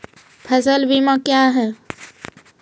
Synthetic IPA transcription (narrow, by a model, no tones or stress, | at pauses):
pʰɐsəlbimãkjaːɦɛː